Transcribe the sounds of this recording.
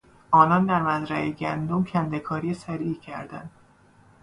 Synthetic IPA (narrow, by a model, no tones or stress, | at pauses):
ʔɒːnɒnd̪æɾmæzɾæʔeɟænd̪omcʲʰænd̪ekʰɒːɾijesæɾiːcʰæɾd̪æ̰nd̪̥